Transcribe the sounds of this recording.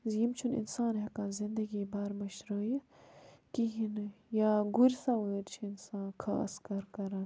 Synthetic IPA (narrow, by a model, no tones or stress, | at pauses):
zjimt͡ʃʰunḭnsaːnɦɐkãːzind̪ɐɡiːbaːɾmɐʃɾəːjɐ | kiɦinjaːɡuɾʲsawəːɾt͡ʃʰiinsãːnkʰa̰skɐɾkɐɾɐn